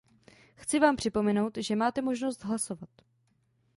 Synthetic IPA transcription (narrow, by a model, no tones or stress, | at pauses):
xt͡sɪvaːmpr̝̥ɪpo̞mɛno̞wt̪ʒɛmaːt̪ɛmo̞ʒno̞st̪ɦlaso̞vat̪